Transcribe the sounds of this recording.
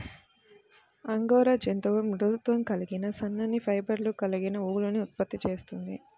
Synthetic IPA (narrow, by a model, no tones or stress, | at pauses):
ɐŋɡɔːɾɐd͡ʒent̪ɐʋɐmɾut̪ʋɐmkɐliɡinɐsɐnːɐnipʰɐjbɐɾlukɐliɡinɐuːluniut̪̚pɐt̪ːit͡ʃe̞ːst̪und̪i